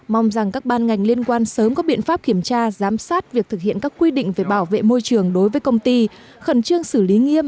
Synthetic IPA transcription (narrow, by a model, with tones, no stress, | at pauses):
ma˧wŋ͡mza˨˩ŋkaː˦˥k̚ɓaː˧nŋa˨˩jŋ̟li˧ənkwaː˧nsəː˨˦mkɔ˨˦ɓḭ˧˨ənfaː˦˥p̚ki˧˩əmt͡ɕaː˧zaː˨˦msaː˦˥t̚vi˨˩ək̚t̪ʰɨ˨˩k̚hḭ˧˨ənkaː˦˥kːwi˧ɗḭ̈˧˨ŋ̟ve˨˩ɓaː˧˩wvḛ˧˨mo˧jt͡ɕɨ˨˩əŋɗo˨˦jvəː˨˦jkə˧wŋ͡mt̪i˧ | xə˧˩nt͡ɕɨ˧əŋsɨ˧˩li˨˦ŋi˧əm